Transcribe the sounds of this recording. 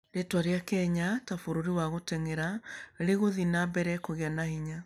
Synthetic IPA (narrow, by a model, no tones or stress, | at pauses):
detwaɾeakɛɲatafoɾoɾiwaɣotɛŋɛɾaɾeɣoðinabɛɾɛkoɣeanahiɲa